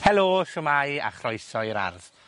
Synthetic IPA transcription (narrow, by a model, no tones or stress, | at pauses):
tʰɛloːʃʊmaja̰χrɔjsɔɾa̰rð̥